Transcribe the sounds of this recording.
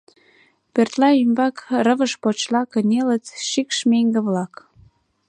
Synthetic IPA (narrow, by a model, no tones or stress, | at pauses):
pørt̪lɑymbɑkrəβəʃpot͡ɕlɑkənʲelət͡sʃikʃmeŋɡĕβlɑk